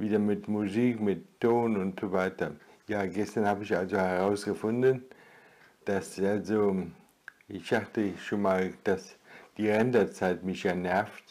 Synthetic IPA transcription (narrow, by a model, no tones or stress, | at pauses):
viːdɐmɪtmuziːkmɪtːoːnʊntz̥ovaɪtɐjaːɡɛstɐnhaːbəɪçalzohɛʁaʊsɡ̥əfʊndən | d̥asalzo | ʔɪçd̥aχtəʃoːnmaːld̥asd̥iːʁɛndɐt͡saɪtmɪçjaːnɛɐft